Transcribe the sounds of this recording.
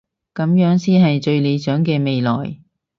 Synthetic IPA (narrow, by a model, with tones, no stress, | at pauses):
kɐ˨˥mjœː˨˥ŋsiː˥nɦɐ˨jt͡ʃɵ˧ɥle˨˧jt͡ʃœː˨˥ŋkɛː˧me˨jlɔ̰ː˨˩j